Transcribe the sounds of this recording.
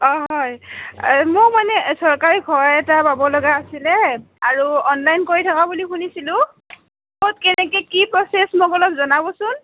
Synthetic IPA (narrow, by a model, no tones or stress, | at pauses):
ɔɦɔj | mʊkmanɛsɔɹkaɹiɡʱɔɹɛtababɔlɔɡaːsilɛ | aɹuɔnlajnkoɹitʰakabulixunisilʊ̃ | tot̚kɛnɛkɛkipɹɔsesmokɔlɔpzɔnabɔsʊn